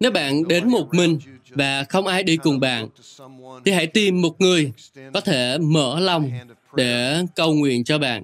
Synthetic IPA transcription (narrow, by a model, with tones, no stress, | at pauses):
ne˨˦wɓa̰ː˧˨nɗe˨˦nmo˨˩t̚mï˨˩ŋ̟vaː˨˩xə˧wŋ͡mʔaː˧jɗi˧kʊ˨˩ŋ͡mɓa̰ː˧˨nt̪ʰi˨˩ha̰˧˥˨jt̪i˧mːo˨˩t̚ŋɨ˨˩əjkɔ˨˦t̪ʰe˧˩mə̰ː˧˥la˧wŋ͡m | ɗe˧˩kə˧wŋwḭ˧˨ənt͡ɕɔ˧ɓa̰ː˧˨nʔ